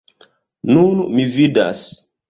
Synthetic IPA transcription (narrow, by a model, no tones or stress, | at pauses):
nunumivida̰s